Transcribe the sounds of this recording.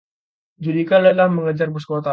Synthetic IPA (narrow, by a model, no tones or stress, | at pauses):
d͡ʒudikaləlahməŋəd͡ʒarbuskot̪a